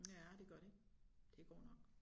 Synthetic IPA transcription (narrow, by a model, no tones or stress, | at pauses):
jæd̥e̝ɡ̥ɶɐɾ̥ed̥e̝ɡ̥ɒ̰ːnɒ̽ɡ̥